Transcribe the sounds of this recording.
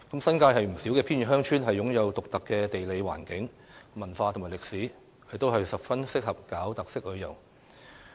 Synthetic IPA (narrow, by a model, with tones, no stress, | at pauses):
kɐ˨˥msɐ˥nkaː˧jɦɐ˨jm̩˨˩siː˨˥wkɛː˧pʰi˥nɥy˨˩hœː˥ŋt͡ʃʰyː˥nɦɐ˨jːʊ˨˥ŋjɐ˨˧wt̪ʊ˨k̚t̪ɐ˨kːɛː˧t̪e˨jle˨˧jwa̰ː˨˩nkɪ˨˥ŋ | mɐ˨˩nfaː˧t̪ʰʊ˨˩ŋmaː˨˩lɪ˨k̚siː˨˥ | hjt̪o˥wɦɐ˨jsɐ˨p̚fɐ˥nsɪ˥k̚hɐ˨p̚kaː˨˥wt̪ɐ˨k̚sɪ˥k̚lɵ˨˧jɐ̰˨˩wŋ